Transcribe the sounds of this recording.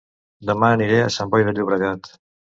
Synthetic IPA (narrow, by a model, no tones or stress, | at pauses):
d̪əmaːniɾea̰sambɔjðəʎuβɾəɣat̪